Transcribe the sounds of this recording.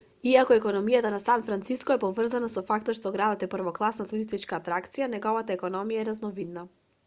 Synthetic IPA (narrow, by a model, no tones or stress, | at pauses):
iakɔɛkɔnɔmijat̪anasanfɾant̪siskɔɛpɔvr̩zanasɔfak̚t̪ɔt̪ʃt̪ɔɡɾad̪ɔt̪ɛpɾ̩vɔklˠasnat̪uɾist̪it͡ʃkaːt̪ɾakt̪sijanɛɡɔvat̪aɛkɔnɔmijaɛɾaznɔvid̪na